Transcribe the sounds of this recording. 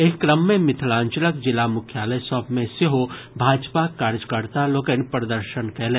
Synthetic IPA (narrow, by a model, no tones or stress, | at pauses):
eːkːɾəmːẽmɪt̪ʰlãːɲt͡ʃələkd͡ʒɪlamʊkʰjaːləjsɔːbmẽseɦobʱaːd͡ʒpakaːɾd͡ʒkəɾt̪aloːkenpɾəd̪əɾʃənkɛːlẽː